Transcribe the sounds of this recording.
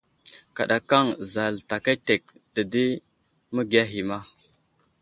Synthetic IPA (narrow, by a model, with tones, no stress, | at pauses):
ka˨ɗa˨ka˦˨ŋza˨lta˨ka˦te˨k̚də˨di˦ | mə˦ɡa˦ɦi˨ma˦